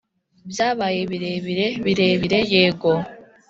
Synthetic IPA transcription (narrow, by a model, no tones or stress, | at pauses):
bjaːβaːjeβiɾeβiɾeβiɾe̞βiɾe̞jeːɡo̞